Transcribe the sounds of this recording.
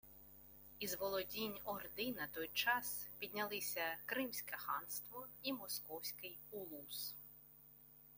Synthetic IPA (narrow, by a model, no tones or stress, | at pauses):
izʋɔlˠɔdʲinʲɔrd̪ɪnɐt̪ɔjt͡ʃɑspʲidʲnʲɐlˠɪsʲɐkɾɪmsʲkɛxɑ̰nst̪ʋɔimɔskɔwsʲkɪjulˠus